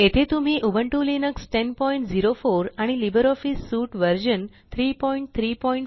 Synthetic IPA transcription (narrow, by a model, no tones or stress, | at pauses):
et̪ʰet̪umiʔubəɳʈulinəksʈenpɔiɳʈziɾofoɾaɽ̃ilibəɾɔfisːuʈʋəɾd͡ʒən | t̪ʰɾipɔiɳʈ̚t̪ʰɾipɔiɳʈ